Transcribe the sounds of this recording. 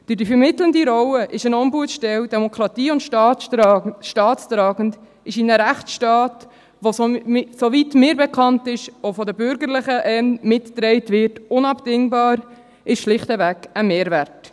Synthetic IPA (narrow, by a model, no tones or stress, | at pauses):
d̥ədifəɾmɪtləndiɾɔwəʔɪʃənɔmbuətʃtɛwd̥ɛmokʰɾɑtiːʊntʃ | ʃtɑːt̪stɾɑːɡənd | ɪʃinəɾæχtsʃtɑːt | ʋososoʋitmɪːɾbɛkʰɑntɪʃofɔd̪əbʏɾɡəɾlɪχəʔɛnmɪtdɾɛɪtvɪrtʊnɑbd̥ɪŋbɑːɾ | ɪʃʃlɪχtəvækəmeːɾvært